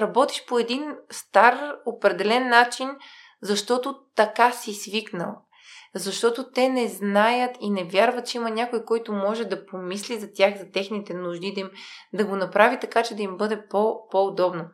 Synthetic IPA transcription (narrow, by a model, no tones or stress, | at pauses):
ɾɐbɔt̪i̥ʃpoɛd̪inst̪aɾopɾɛd̪ɛlɛnːat͡ʃin | zɐʃt̪ɔt̪ot̪ɐkasisviknə̰lˠ | zɐʃt̪ɔt̪ot̪ɛnɛznajət̪inɛvʲjaɾvət̪̚t͡ʃɛimɐnʲakojkɔjt̪ʊmɔʒɛd̪ɐpomislizɐt̪ʲjaxzɐt̪ɛxnit̪ɛnuʒd̪id̪ɐimd̪ɐɡonɐpɾavit̪ɐkat͡ʃɛd̪ɐimbɤd̪ɛpopood̪ɔbno